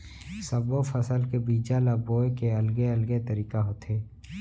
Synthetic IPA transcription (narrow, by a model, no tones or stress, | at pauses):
səbofʰəsəlkebiːd͡ʒalaboːekeəlɡeəlɡet̪əɾiːkaɦoːt̪ʰeː